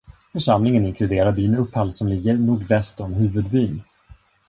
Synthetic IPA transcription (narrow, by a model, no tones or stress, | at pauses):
fœʂamlɪŋənɪŋkʰlɵd̪eːɾaɾbyːnɵpʰːhalsɔmlɪɡːəɾnuːɖvɛst̪ɔmɦʉ̟ːvɵd̪byːn